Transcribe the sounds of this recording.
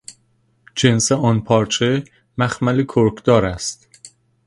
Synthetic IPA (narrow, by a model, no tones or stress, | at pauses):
d͡ʒenseɒːnpʰɒːɾt͡ʃʰe | mæxmælekʰoɾkʰd̪ɒːɾæst̪